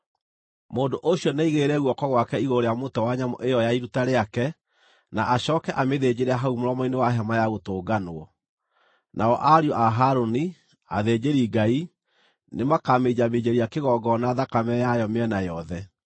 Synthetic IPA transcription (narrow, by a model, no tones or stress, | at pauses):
moːndoʔoɕjɔneiɣeɾɛɣwɔkɔɣwakɛiɣoɾeamotɛwaɲamɔ̰ʔejɔjaiɾutaɾeakɛ | naʔaɕɔːkɛʔameðed͡ʑeɾɛaɦaumoɾɔmɔinewaɦɛmajaɣotoːɡanwɔ | nʔaɔʔaɾiɔʔaɦaɾoni | a̰ðed͡ʑeɾiɡai | nemakamed͡ʑamed͡ʑeɾiakeɣɔːɡɔnaðakamɛjajɔmeɛnajɔðɛ